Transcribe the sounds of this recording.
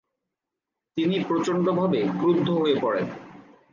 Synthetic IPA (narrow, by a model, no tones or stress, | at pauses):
t̪inipɾot͡ɕond̪obʱabeɡɾud̪ʱːoɦoepɔɽen